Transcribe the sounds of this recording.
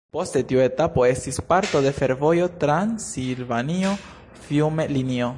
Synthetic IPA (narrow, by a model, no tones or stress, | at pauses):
po̞ste̞tiue̞tapo̞e̞stispaɾto̞de̞fe̞ɾvo̞jo̞tɾansilvanio̞ | fiwmelinio̞